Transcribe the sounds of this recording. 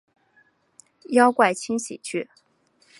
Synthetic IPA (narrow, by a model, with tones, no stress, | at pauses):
jɑ˥ʊkwa˥˩ɪt͡ɕʰi˥ŋɕḭ˨˩t͡ɕʰy˥˩